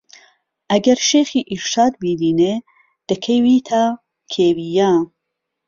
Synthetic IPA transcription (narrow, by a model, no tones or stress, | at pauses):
ʔɐɡɐɾʃeːxiːʔiɾʃɑːd̪̚biːd̪iːne | d̪̥ɨkʰejwiːt̪ʰaː | kʰeːwijaː